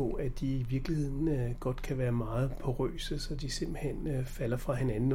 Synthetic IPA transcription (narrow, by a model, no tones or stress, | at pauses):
ɔæd̥iiʋiɐɡ̥lihe̝ð̰ˠn̩ɡ̥ɒ̽d̥kʰæʋæːɐmɑ̈ːð̞̩ˠpʰɒ̽ʁø̰ːsəsɒ̽d̥ise̝m̰b̥l̩hen̰fæl̰ɐfʁɑ̈he̝nænn̩